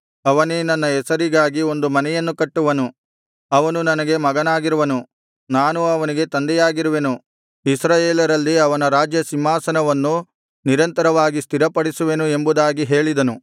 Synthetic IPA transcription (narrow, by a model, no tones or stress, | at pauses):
ɐʋɐnenɐnːɐɛsɐɾiɡaːɡio̞nd̪umɐnɛjɐnːukɐʈːuʋɐnu | ɐʋɐnunɐnɐɡe̞mɐɡɐnaːɡiɾuʋɐnu | naːnuɐʋɐniɡe̞t̪ɐnd̪ɛjaːɡiɾuʋe̞nu | isɾaːjeːlɐɾɐlːiɐʋɐnɐɾaːd͡ʒjɐsimɦaːsɐnɐʋɐnːu | niɾɐnt̪ɐɾɐʋaːɡist̪ʰiɾɐpɐɽisuʋe̞nue̞mbud̪aːɡiɦe̞ːɭid̪ɐnu